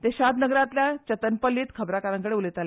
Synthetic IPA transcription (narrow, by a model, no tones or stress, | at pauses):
t̪eɕad̪nəɡɾãt̪ljat͡ɕət̪ənpəlːiːt̪kʰəbɾakaɾãŋkəɽeulet̪al